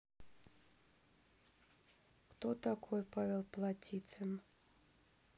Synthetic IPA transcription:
kt̪ot̪akʰojpavʲɛlˠplˠatʲit̪sɨn

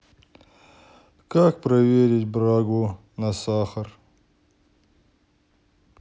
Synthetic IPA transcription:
kak̚pɾɐweɾit̪̚ʲbɾaːɡu | nasaxɐɾ

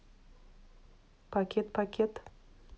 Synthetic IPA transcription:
pakʲet̪pakʲet̪

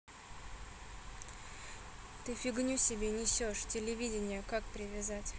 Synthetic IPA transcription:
t̪ɨfʲɪɡnʲusʲɪbʲenʲɪsʲoʂtʲɪlʲɪvʲidʲɪnʲɪjəkakpɾʲɪvʲɪzatʲ

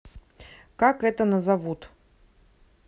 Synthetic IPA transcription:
kakɛt̪ənəzavut̪

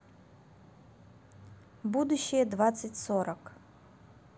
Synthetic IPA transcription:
bud̪uɕːɪjəd̪vat̪sɨtʲsoɾɐk

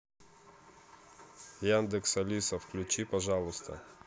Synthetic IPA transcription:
jand̪ɪksɐlʲisɐfklʲʉt͡ɕipɐʐɑlˠʊst̪ʰɐ̰

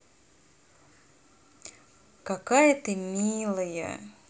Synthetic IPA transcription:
kakajət̪ɨmʲilˠəjə̰

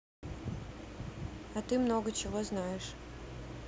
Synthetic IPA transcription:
ɐt̪ɨmnoɡət͡ɕɪvoznajɪʂ

